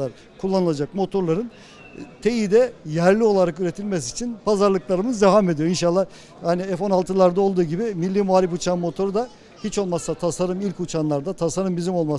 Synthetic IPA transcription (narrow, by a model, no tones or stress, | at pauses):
aɾ | kʰulˠːanɯlˠad͡ʒak̚mo̞t̪ʰo̞ɾlˠaɾɯn | t̪ʰe̞jid̪ɛjæɾlʲio̞lˠaɾakyɾe̞t̪ʰilʲmɛsiːt͡ʃʰinpʰazaɾlˠɯklˠaɾɯmɯzd̪eɦame̞d̪ijo̞inʃalˠːah | haniefo̞nalˠt̪ʰɯlˠaɾd̪ao̞lˠd̪uːɟibimilʲːiːmuaɾʲifut͡ʃʰanmo̞t̪ʰo̞ɾud̪a | hit͡ʃo̞lˠmasat̪ʰasaɾɯmilʲkut͡ʃʰanlˠaɾd̪at̪ʰasaɾɯmbizimo̞lˠma